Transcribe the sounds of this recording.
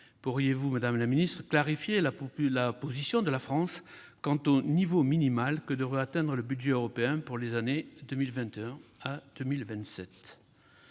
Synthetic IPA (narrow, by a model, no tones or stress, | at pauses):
puʁijevumad̪amlaminist̪χəklaʁifjelalapozisjɔ̃d̪əlafχɑ̃s | kɑ̃t̪onivominimalkəd̪əʁəat̪ɛ̃d̪ʁələbydʒɛøʁɔpeɛ̃puʁlezaned̪əmilvɛ̃t̪eɛ̃ad̪̥əmilvɛ̃t̪sɛt̪